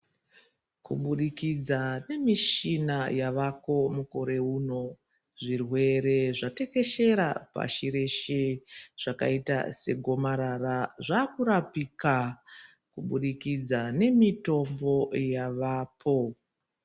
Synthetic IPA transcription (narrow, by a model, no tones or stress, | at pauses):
kṵɓuɗikid͡zane̞miʃinajaʋako̞muko̞ɾe̞ɦuno̞ | ʐirwe̞ɾe̞ʐate̞ke̞ʃe̞ɾapa̰ʃiɾe̞ʃeʐ̥aka̰ita̰se̞̰ɡʱo̞maɾaraʐaːkuɾapika | kuɓuɗikid͡zane̞mito̞mbo̞jaʋaːpʰo̞